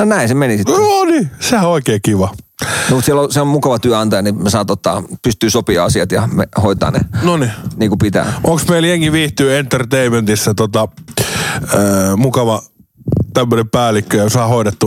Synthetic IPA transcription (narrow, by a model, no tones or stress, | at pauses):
nonæĩsemenisit̪onisehæoikeːkiʋɑnomut̪siɛlolsilommukɑʋɑt̪yæɑnt̪ɑjɑnimesɑːt̪ot̪ːɑ̰pyst̪yːsopiɑːɑsiɑt̪jɑmḛhoit̪ɑ̰ːnḛnoniniːŋkupit̪æ̰ːʔoŋksmeiljeŋːiʋiːht̪yːent̪ert̪eiment̪isːæt̪ot̪ɑ | əmukɑʋɑ | t̪æmːøneppæːlikːøjɑsɑːhoiɾet̪ːu